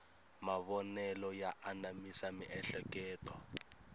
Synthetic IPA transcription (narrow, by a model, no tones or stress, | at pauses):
maβɔnɛlɔjaʔanamisamiʔɛɬɛkɛːtɔ